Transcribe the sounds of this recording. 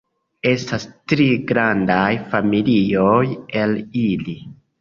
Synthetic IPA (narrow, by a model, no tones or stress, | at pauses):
e̞stastɾiɡɾandajfamilioje̞lili